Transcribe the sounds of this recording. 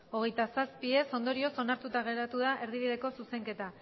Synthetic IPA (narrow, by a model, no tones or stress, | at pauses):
o̞ɣ̞e̞jt̪asaspie̞so̞nd̪o̞ɾio̞so̞naɾt̪ut̪aɣe̞ɾat̪uð̞aʔe̞ɾðiβ̞iðe̞ko̞suse̞ŋke̞t̪a